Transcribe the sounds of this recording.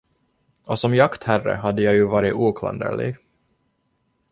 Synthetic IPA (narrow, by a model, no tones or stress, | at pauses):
ɔsɔmjakt̪hærə̰ɦad̪ːəjɑjɵvɑːɾɪt̪uːkʰla̰nd̪ə̰ɭɪ̰ɡ